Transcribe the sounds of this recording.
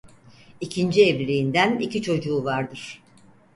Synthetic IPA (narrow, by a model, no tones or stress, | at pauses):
icʰind͡ʒievɾiind̪ænicit͡ʃʰo̞d͡ʒuːvaɾd̪ɯɾ̥